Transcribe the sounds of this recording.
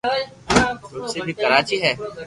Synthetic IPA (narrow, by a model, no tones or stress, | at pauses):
ʊsebʱikəɾaːt͡ʃiɦɛː